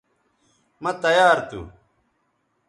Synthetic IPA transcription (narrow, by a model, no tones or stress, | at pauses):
mɐt̪ɐjaːɾt̪ṵ